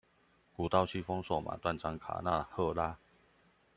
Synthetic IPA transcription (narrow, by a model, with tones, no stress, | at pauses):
ku˨˩t̪a˥˧ʊt͡ɕʰi˥˩fɔ˦˥ŋswɔ˥˩ma̰˨˩t̪wa˥˨nʈ͡ʂa˦ŋkʰa̰˨˩na̰˥˧hɤ˥˧la˦˥